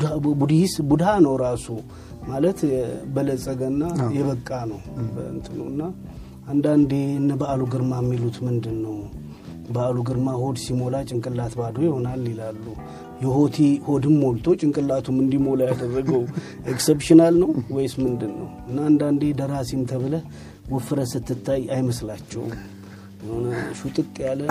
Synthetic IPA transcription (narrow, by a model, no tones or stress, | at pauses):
bud̪isbud̪hanəwɾasu | malət̪bələsʼəɡənːajɛβəkʼːanəwbə̰nt̪ʼɨnuɨnːa | ʔand̪and̪e̞ɨnːəbəaluɡɨɾmamːilut̪mɨnd̪ɨnːəw | bəaluɡɨɾmaho̞d̪simo̞lat͡ʃʼɪŋkʼɨlːat̪bad̪ojɪho̞nalːilalːu | jɛho̞t̪ʰiho̞d̪ɨmːolt̪ʰo̞t͡ʃʼɪŋkʼɨlːat̪ʰumɨnd̪imo̞lajad̪ərːəɡəw | ʔeksepʃɪnalnəwwɔjsmɨnd̪ɨnːə̰wɨnːaːnd̪and̪e̞d̪əɾasimt̪ʰəβɨlə | wɔfɨɾəsɨt̪ːɨt̪ʰːajajməslat͡ʃːɛ̰w | nʃut̪ʼɨkʼːjalə